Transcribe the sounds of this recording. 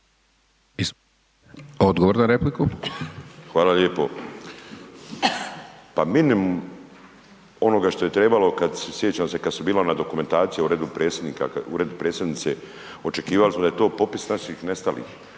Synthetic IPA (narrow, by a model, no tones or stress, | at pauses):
is | od̪ɡoʋoɾnaɾepliku | xʋaːlaleːpo̞ | paminim | o̞noɡaʃt̪o̞je̞t̪ɾe̞balo̞kad̪sesjet͡ɕamse̞kad̪subiːlanad̪o̞kume̞nt̪aːt̪sijeuɾeːd̪upɾeːt̪sʲjed̪niːka̰uɾed̪upɾeːsjed̪nit̪se̞ | o̞t͡ʃe̞kiːʋalismod̪ajet̪o̞ːpo̞pisnaʃixne̞st̪alḭːx